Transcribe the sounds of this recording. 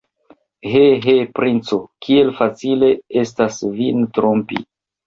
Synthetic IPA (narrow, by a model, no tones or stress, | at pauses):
ɦeɦepɾʔint͡so̞kʰie̞lfat͡sile̞e̞stasvintɾompḭ